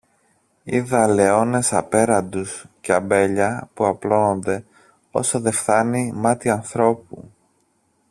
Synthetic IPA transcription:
ḭðɐle̞o̞ne̞sɐpe̞ɾɐnd̪usceɐmbe̞ʎɐpuɐplo̞no̞nd̪e̞ | o̞̰soðe̞fθɐnimɐt̪iɐnθɾo̞pṵ

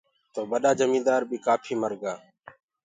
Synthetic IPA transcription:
t̪oːɓəɗaːd͡ʒəmĩːd̪aːɾɓiːkaːpʰiːməɾɡaː

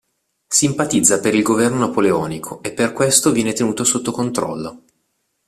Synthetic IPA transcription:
simpat̪id̪zːapeɾilɡovɛrnonapoleɔːnikʰoepːerkwest̪ovjɛːnet̪enuːt̪osot̪ːokont̪ɾɔ̰lːo

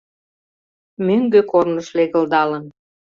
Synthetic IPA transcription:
møŋɡøkornəʃleɣə̆ld̪ɑlən

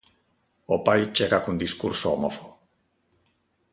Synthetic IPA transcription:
opajt͡ʃeɣakund̪iskṵɾsoomofoɣ

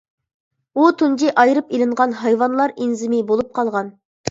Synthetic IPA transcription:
ut̪ʰund͡ʒiʔɑjɾɨpelɪɴʁɑnɦɑjwɑnlˠɑɾinzɪmɪbolˠup̚qʰɑlˠʁɑn

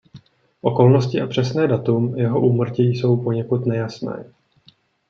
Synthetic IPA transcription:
ʔo̞ko̞lno̞scɪʔapr̝̥ɛsnɛːdat̪umjɛɦo̞ʔuːmr̩cɪjso̞wpo̞ɲɛkut̪nɛjasnɛ̰ː

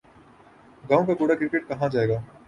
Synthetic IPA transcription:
ɡãːõkakoːɽakɾɪkeʈ̚kɐɦãd͡ʒaːeːɡaː

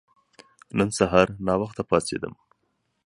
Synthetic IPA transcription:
nənsaɦɑɾnɑwaxt̪apɑsḛd̪ə̰m

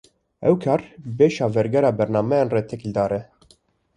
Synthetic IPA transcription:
ɛwkʰɑːɾbeːʃɑːvɛɾɡɛɾɑːbɛɾnɑːmɛjenreːt̪ʰɛkild̪ɑːɾɛ

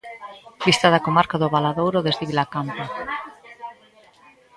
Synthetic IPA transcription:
bist̪aðakomaɾkaðoβalaðowɾoðezðiβilakampa

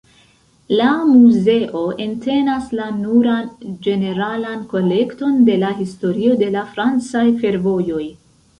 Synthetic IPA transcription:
lamuze̞ʔo̞ʔe̞nte̞naslanuɾand͡ʒe̞ne̞ɾalanko̞le̞kto̞nde̞laɦisto̞ɾio̞de̞lafɾant͡sajfe̞ɾvo̞jo̞j

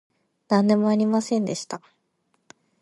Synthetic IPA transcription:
nãnd̪e̞moaɾʲimasẽ̞nd̪e̞ɕi̥t̪a

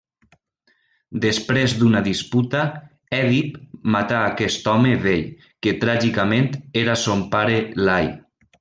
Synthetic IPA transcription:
d̪espɾezd̪unaðisput̪a | ɛðipmat̪aːkɛst̪ɔmeβeʎ | ket̪ɾaʒikament̪eɾasompaɾelaj

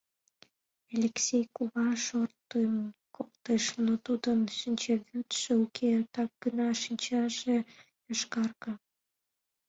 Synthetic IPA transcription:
elʲeksʲejkuβɑʃort̪ːəmkok̚t̪eʃnot̪ud̪ənʃinʲt͡ɕeβyt̪ʃeukʰet̪ɑk̚ɡ̥ənɑʃinʲt͡ɕɑʒe | əʃkɑrkə

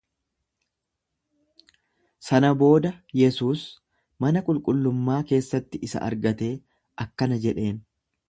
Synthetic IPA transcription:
sɐnɐbo̞ːd̪ɐjɛsuːs | mɐnɐkʼʊlkʼʊlːʊmːaːke̞ːsːɐt̪ːɪʔɪsɐ̰ʔɐ̰ɾɡɐt̪e̞ː | ʔɐkːɐnɐd͡ʒɛᶑe̞ːn

